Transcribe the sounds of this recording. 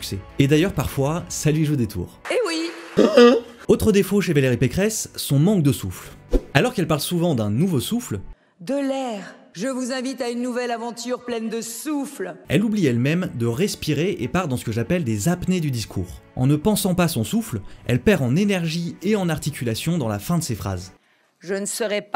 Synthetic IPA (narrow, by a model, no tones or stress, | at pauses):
sy̥ksɛed̪ajœʁpaʁfwasalɥiʒud̪et̪ʰṵːʁewi | ot̪χəd̪efoʃevaleʁipekχɛsːɔ̃mɑ̃k̚d̪əsuflalɔʁkɛlpaʁlsuvɑ̃d̪ɛ̃nuvosufl | d̪əlɛʁ | ʒəvuzɛ̃vit̪aynːuvɛlavɑ̃t̪yʁplɛnd̪əsuflɛ̰lubliɛlmɛmd̪əʁɛspiʁeʔepaʁd̪ɑ̃sə̥kəʒapɛld̪ezapned̪yd̪iskʰṵːʁ | ɑ̰̃nəpɑ̃sɑ̃pasɔ̃suflɛ̰lpɛʁɑ̃nenɛʁʒieɑ̃naʁt̪ikʲylasjɔ̃d̪ɑ̃lafɛ̃d̪əsefχa̰z | ʒənəsəʁɛp